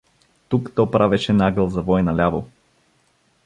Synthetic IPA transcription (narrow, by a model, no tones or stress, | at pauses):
t̪ukt̪ɔpɾavɛʃɛnaɡəlˠzɐvɔɛnɐlʲavo